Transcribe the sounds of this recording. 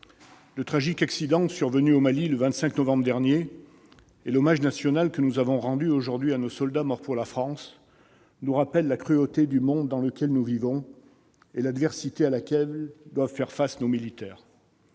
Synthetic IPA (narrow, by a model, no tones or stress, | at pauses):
lət̪χaʒikaksid̪ɑ̃syʁvənyomaliləvɛ̃nt̪sɛ̃knɔvɑ̃bʁəd̪ɛʁnje | elɔmaʒnasjɔnalkənuzavɔ̃ʁɑ̃d̪yoʒuʁd̪ɥianosɔld̪amɔʁpuʁlafχɑ̃s | nuʁapɛlːakχyot̪ed̪ymɔ̃d̪ːɑ̃ləkʲɛlnuvivɔ̃ | elad̪vɛʁsit̪ealakʲɛld̪wavfɛʁfasanomilit̪ɛːʁ